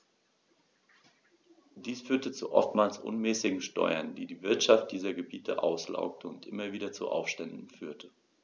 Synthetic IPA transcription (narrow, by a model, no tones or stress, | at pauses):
d̥iːsfyːɐtət͡sṵʔɔ̰ftmaːlsʔʊ̰nmɛːsɪɡŋ̩ʃtɔ̰ʏɐndiːdiːvɪɐtʃaft̚d̥iːzɐɡəbiːtʰəʔa̰ʊsla̰ʊk̚tʰəʊntʔɪmɐviːdɐt͡sṵʔa̰ʊfʃtɛndn̩fyːɐtʰə